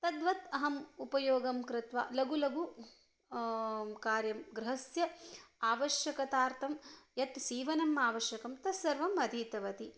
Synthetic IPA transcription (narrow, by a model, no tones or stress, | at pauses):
t̪ɐd̪ʋɐt̪ɐɦɐmupɐjoːɡɐmkɾɪt̪ʋa̰ːlɐɡulɐɡu | kaːɾjɐmɡɾɪɦɐsjɐaːʋɐʃjɐkɐt̪aːɾt̪ʰɐmjɐt̪siːʋɐnɐmaːʋɐʃjɐkɐmt̪ɐsɐɾʋɐmɐd̪ʱiːt̪ɐʋɐt̪i